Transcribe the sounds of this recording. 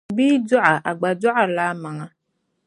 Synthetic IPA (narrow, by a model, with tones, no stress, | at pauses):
bi˦du˦ʔa˨ʔa˨ɡ͡ba˨d͡ʒu˦a˨la˨˦mã˨ŋã˨